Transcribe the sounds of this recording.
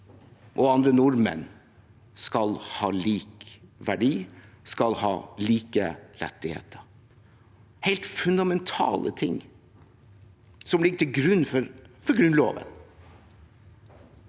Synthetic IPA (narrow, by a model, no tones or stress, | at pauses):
ʔɔɑnd̪ɾənʊɾmɛ̰n | skɑlhɑːliːkʋæɖiː | skɑlhɑ̰ːliːkəɾɛ̰t̪ːɪhḛːt̪ʰəɾ | hɛɪlt̪fʉnd̪ɑmɛnt̪ʰɑ̰ːlʔə̰t̪ʰɪŋ | sɔmlɪɡːət̪ʰɪlɡɾʉnːfɔɾfɔɾɡɾʉnlo̰ːʋə̰n